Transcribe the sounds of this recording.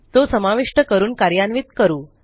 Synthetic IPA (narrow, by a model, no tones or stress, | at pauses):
t̪osəmaʋiʂʈəkəɾuːnkaɾjanʋit̪kəɾuː